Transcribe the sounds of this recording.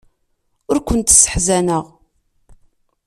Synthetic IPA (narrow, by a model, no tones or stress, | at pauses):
ʊɾkʷənt̪sə̥ħzænəʁ